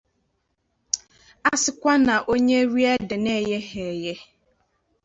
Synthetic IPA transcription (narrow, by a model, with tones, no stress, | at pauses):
a˦sɪ˦kʷa˦nã˨ʔo˦ɲe˦ɾi˦ɛ˦dɪ˨nɛ˦˨jɛ˦ɦɛ˨jɛ˦